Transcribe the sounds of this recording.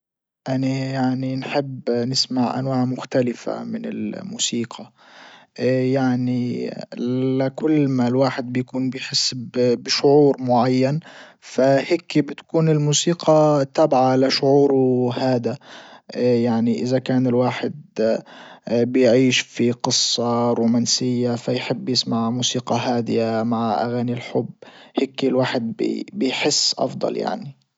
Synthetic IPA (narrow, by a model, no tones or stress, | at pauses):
ʔanajaʕninħɪbːnɪsmaʕʔa̰nwaːʕmʊxt̪alɪfa̰mɪnɪ̰lmuːsiːqʰɑ | jaʕni | akʊlːmalwaːħɪd̪̚bɪjkuːnbɪjħɪsːbbɪʃʊʕuːɾmʊʕajːanfaheːkibɪt̪kuːnɪlmuːsiːqʰɑt̪aːbʕalaʃʊʕuːɾuhaːd̪a | jaʕniʔɪzakaːnɪlwaːħɪd̪̚ | bɪjʕiːʃfiqɨsˤːɑɾuːmaːnsɪjːafajħɪbːjɪsmaʕmuːsiːqɑɦaːd̪ɪjamaʕʔa̰ɣaːnilħʊbːheːkːilwaːħɪd̪̚b̰bɪjħɪsːʔɑ̰fd̪ˤɑ̰lja̰ʕni